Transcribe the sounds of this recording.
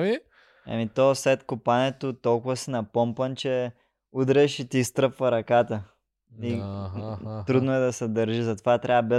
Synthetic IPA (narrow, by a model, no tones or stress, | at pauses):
vi | ɐ̰mit̪ɔslɛt̪kupanɛt̪ot̪ɔlˠkʊvəsinɐpɔmpənt͡ʃɛ | ud̪ɾɛʃit̪ist̪ɾəpvɐɾɐkat̪ə | i | t̪ɾud̪noɛd̪ɐsɛd̪əɾʒizɐt̪ovat̪ɾʲʔaəbɛ